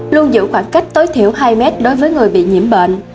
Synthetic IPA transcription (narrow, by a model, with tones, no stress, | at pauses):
lu˧ənzɨ̰˧˨xwaː˧˩nka˦˥jk̟̚t̪o˨˦jt̪ʰi˧˩əwɦaː˧jmɛ˦˥t̚ɗo˨˦jvəː˨˦jŋɨ˨˩əjɓḭ˧˨ɲi˧˩əmɓə̰ː˧˨n